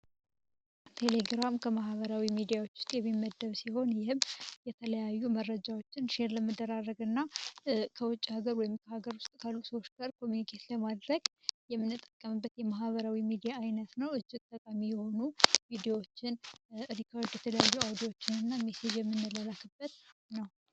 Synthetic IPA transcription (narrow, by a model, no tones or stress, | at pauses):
t̪ʰe̞le̞ɡɾamkʰəmaɦβəɾawimid̪ijawo̞t͡ʃːwʊ̥st̪ʼjɛmːimːəd̪ːəβsiho̞njɪhɨmːjɛt̪ʰələjajːuməɾːəd͡ʒawo̞t͡ʃːɪnʃeɾləməd̪əɾarːəɡɨnːakʰəwʊt͡ʃʼːihaɡəɾwɔjɪmkʰəhaɡəɾwʊst̪ʼkʰalːusəwot͡ʃːɡaɾkʰo̞mjunikʰet̪ləmad̪ɾəɡjɛmːɨnːɨt̪ʼːəkʼːəmɨbːət̪jɛmaɦβəɾawimid̪ijaːjnət̪nəwɨt͡ʃʼːɪt̪t̪ʼːəkʼamijɛho̞nuvid̪eowot͡ʃːɪnɾikʰard̪jɛt̪ʰələjajːuawd̪iwo̞t͡ʃːɪnɨnːamesed͡ʒjɛmːɨnːɨlalakɨbːət̪nəw